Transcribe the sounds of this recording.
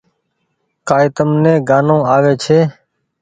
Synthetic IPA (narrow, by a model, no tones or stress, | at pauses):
kaːɪt̪əmnẽːɡaːnõːaːʋeːt͡ʃʰeː